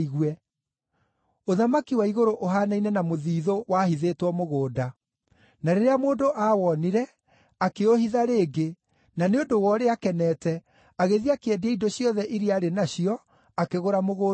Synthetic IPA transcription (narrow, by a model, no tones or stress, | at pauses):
iɣwɛ | oðamakiwaiɣoɾoʔoɦaːnainɛnamoðiːðowahiðetwɔmoɣoːda | naɾeɾeamoːndoʔawɔniɾɛ | akeohiðaɾeːɡe | naneodowɔɾeakɛnɛːtɛ | aɣeðiakɛdiaidoɕjɔðɛʔiɾiaɾenaɕiɔ | akeɣoɾamoɣoː